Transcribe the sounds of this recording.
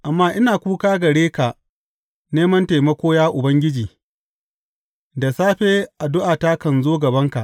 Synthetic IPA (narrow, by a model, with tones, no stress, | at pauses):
ʔa˨mːaː˦ʔɪ˦naː˨kʷuː˦kaː˦ɡɐ˨ɽeː˦ka˨ʔ | neː˦mɐ˦nta˨jmɐ˦kʷoː˦jaː˦ʔʊ˨bɐ˦ŋɡʲɪ˦d͡ʒiː˨ | da˨saː˦ɸeː˦ʔa˨dʊ˦ʔaː˨ta˦kɐ˨nzoː˦ɡɐ˨bɐ˦ŋka˨ʔ